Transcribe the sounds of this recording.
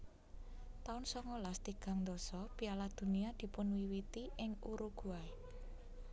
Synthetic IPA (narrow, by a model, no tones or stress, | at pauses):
t̪aʊnsɔŋolast̪iɡ̥a̤ŋnd̪ɔsɔpialad̪̥ṳniad̪̥i̤pʊnwiwit̪iʔɪŋṵɾuɡ̥ṳae